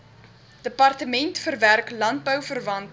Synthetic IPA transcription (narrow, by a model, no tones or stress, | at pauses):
d̥əpɐrtəmɛntfərværklɐnt̚bəwfərvɐnt